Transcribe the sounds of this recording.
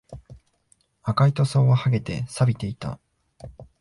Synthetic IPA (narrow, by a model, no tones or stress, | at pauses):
akait̪o̞so̞ːβahaɡe̞t̪e̞̰sabʲit̪e̞it̪a̰